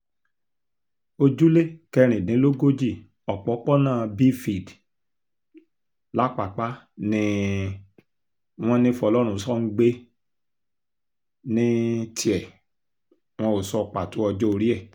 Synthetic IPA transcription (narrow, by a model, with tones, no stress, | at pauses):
o˧d͡ʒu˦le˦˨kɛ˧ɾ̃ĩ˨nĩ˨˦lo˦ɡo˦d͡ʒi˦˨ | ɔ˨k͡pɔ˨˦k͡pɔ˦nãː˦˨bi˦fi˨d | la˦k͡pa˨k͡pa˦nĩ˦ | w̃ɔ̃˦nĩ˦fɔ˧˨lɔ˦ɾ̃ũ˦˨sɔ˦ŋ̩˦ɡ͡be˦ | nĩ˦tʰi˦ɛ˨ | w̃ɔ̃˧o˨sɔ˦˨k͡pa˨to˨˦ɔ˧d͡ʒɔ˦o˧ɾi˦ɛ˦˨